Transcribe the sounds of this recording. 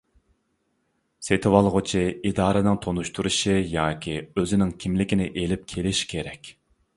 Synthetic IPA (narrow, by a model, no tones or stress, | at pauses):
set̪ʰɪwɑlˠʁʊt͡ʃʰiid̪ɑːɾɨnɪŋt̪ʰonuʃt̪ʰuɾuʃijɑːkʲiøzɪnɪŋkʲʰimlɪkʲinɪʔelɪp̚kʲʰelɪʃi̥kʲʰeɾɛkʲ